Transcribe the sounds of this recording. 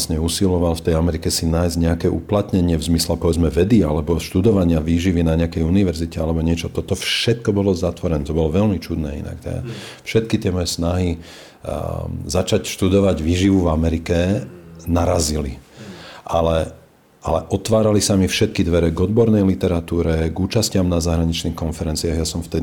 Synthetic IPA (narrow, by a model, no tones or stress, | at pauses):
sɲɛusilɔʋalft̪ɛjamɛɾikɛsinaːjzɟɲɛakɛːʔuplat̪ɲɛɲɪɛvzmislɛpɔʋɛd͡zmɛʋɛd̪ialɛbɔʃt̪ud̪ɔʋaɲɪaʋiːʒiʋinaɲɛakɛjuniʋɛɾzicɛalɛbɔɲɪɛt͡ʃɔt̪ɔt̪ɔfʃɛt̪̚kɔbɔlɔzat̪ʋɔɾɛnɛt̪ɔbɔlɔʋɛlmit͡ʃud̪nɛ̰ːḭna̰kt̪ɛ̰ | fʃɛt̪̚kit̪ɪɛmɔjɛsnaɦi | zat͡ʃacʃt̪ud̪ɔʋaɟʋiːʒiʋuvamɛɾikɛnaɾazili | ʔalɛ | ʔalɛʔɔt̪ʋaːɾalisamifʃɛt̪̚kid̪ʋɛɾɛɡɔd̪bɔɾnɛjlit̪ɛɾat̪uːɾɛɡuːt͡ʃascɪamnazaɦɾaɲit͡ʃniːxkɔnfɛɾɛnt͡siaɣjasɔmft̪ɛd̪i